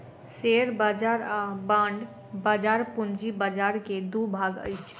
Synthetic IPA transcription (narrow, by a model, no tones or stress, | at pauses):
seɾbad͡ʒaɾabãɳɖ | bad͡ʒaːɾpʊnd͡ʒibəd͡ʒaːɾked̪ubʱaɡə̰jt͡ʃʰ